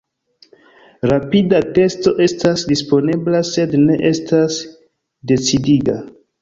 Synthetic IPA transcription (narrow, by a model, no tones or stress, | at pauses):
ɾapidate̞sto̞ʔe̞stasdispo̞neblase̞dne̞ʔe̞stas | de̞t͡sidiɡa